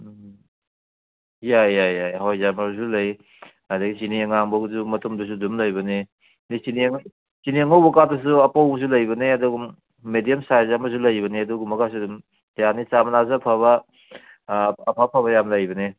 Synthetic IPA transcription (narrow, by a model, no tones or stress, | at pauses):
jajajajɦajzamɐzulɐj | adɐɡisiniɐŋaŋbɐɡuzumɐtʰumdus̬udumlɐjbɐni | nisiniŋ | siniɐŋawbɐkatɐs̬uɐpawbɐs̬ulɐjbɐneɐduɡumː | edijɐmsajzamɐz̬ulɐjbɐniɐduɡumːɐkas̬udum | janit͡ʃamɐnazapʰaβɐ | ɐpʰapʰaβɐjamlɐjbɐne